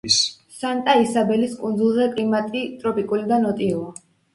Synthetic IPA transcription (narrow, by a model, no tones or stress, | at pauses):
s | sant̪ʼaisabɛliskʼund̪zulˠzɛkʼlimat̪ʼit̪ʼɾɔpʼikʼulid̪anɔt̪ʼiuɔ